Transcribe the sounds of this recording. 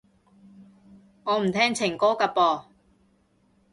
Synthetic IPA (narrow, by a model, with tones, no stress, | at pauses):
ŋɔː˨˧m̩˨˩t̪ʰɛː˥ŋt͡sʰɪ˨˩ŋkɔː˥ka˧pɔː˨˧